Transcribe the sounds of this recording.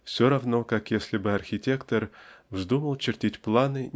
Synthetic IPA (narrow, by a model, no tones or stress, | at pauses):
fsʲoɾɐvno̞kakjesʲlʲɪbɨɐrxʲɪtʲe̞kt̪ərvzd̪uməlˠt͡ɕɪrtʲitʲplˠanɨnʲ